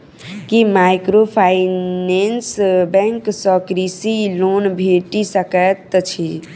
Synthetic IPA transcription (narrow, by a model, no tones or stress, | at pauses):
kimajkɾopʰainensbɛŋksəkɾisilonbʱeʈisəkət̪t͡ʃʰi